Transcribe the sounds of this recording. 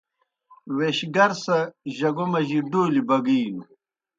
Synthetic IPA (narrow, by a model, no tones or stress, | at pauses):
weɕɡɐɾsɐʑɐɡomɐʑiɖoːlibɐɡiːnu